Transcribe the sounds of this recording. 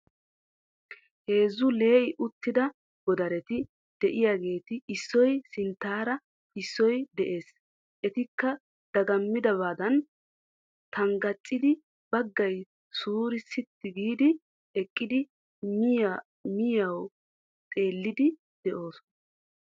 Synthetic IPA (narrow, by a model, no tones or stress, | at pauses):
he̞ːzːʊle̞ːʔɪʔʊt̪ːɪd̪ɐ | ɡ̥ɔd̪ɐɾɛt̪ɪ | d̪̥ɛʔɪjaːɡe̞ːt̪ɪːsːɔjsɪnt̪ːaːɾɐ | ɪsːɔjd̪ɛʔe̞ːs | ʔɛt̪ɪkːɐ | d̪̥ɐɡɐmːɪd̪ɐβaːd̪ɐn | t̪ɐŋɡɐt͡ʃʼːɪd̪ɪ | bɐɡːɐj | suːɾɪsɪt̪ːɪɡiːd̪ɪ | ɛkʼːɪd̪ɪ | mɪjɐ | mɪjɐw | t̪ʼe̞ːlːɪd̪ɪ | d̪̥ɛʔo̞ːsɔnɐ